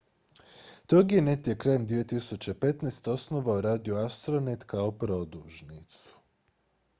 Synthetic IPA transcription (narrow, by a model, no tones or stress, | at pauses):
t̪oɡenet̪jekɾajemd̪ʋije̞t̪isut͡ɕepe̞t̪nest̪o̞sno̞ʋaoɾaːd̪ioast̪ɾonet̪kaopɾo̞d̪uʒnit̪su̥